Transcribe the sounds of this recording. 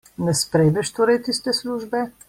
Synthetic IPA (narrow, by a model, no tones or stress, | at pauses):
nɛspɾɛjd̪ɛʃt̪oːɾɛjt̪ist̪ɛsluːʒbɛ